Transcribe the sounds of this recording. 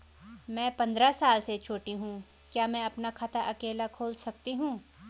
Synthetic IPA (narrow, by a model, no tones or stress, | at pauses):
mɛ̃ːpɐ̃nd̪ɾasaːlset͡ʃʰoːʈiɦũː | kjaːmɛ̃ɐpnakʰɐt̪ʰaʔɐkeːlakʰoːlsɐk̚t̪iɦũː